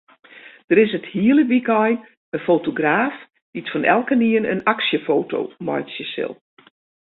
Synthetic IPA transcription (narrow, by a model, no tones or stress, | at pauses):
d̥əɾɪsəthiələʋikɔj | ənfowtoɡraːf | d̥itfɔnʔɛ̰lˠkəniənə̰naksjəfoːtʰo̰ːmɔ̰jsjəsɪ̰lˠ